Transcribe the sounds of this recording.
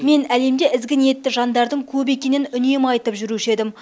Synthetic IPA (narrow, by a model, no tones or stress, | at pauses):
me̞næle̞md̪e̞ʔɪzɡʲɪnije̞t̪ːɪʒɑnd̪ɑɾd̪əɴkʲʰɵbe̞kʲe̞nɪnʏne̞mɑjt̪əpʒʏɾuʃe̞d̪ɪm